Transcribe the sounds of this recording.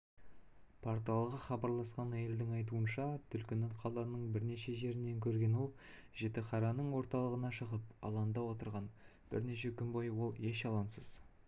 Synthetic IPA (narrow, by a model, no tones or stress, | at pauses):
pʰoɾt̪ɑlˠəʁəχɑbɑɾlˠɑsqɑnæje̞ld̪ɪŋɑjt̪̬uənʃɑt̪ʰʏlkʲɪnɪɴqʰɑlˠɑnəɴbɪɾne̞ʃe̞ʒe̞ɾɪne̞ŋkʲʰɵɾɡʲe̞nwo̞lˠʒe̞t̪ɪqʰɑɾɑnəɴwo̞ɾt̪ɑlˠəʁənɑʃəʁəpɑ̰lˠɑnd̪ɑwo̞t̪əɾʁɑn | b̥ɪ̰ɾne̞ʃe̞kʲʰʏnbɑjwo̞lˠje̞ʃɑlˠɑnsəz̥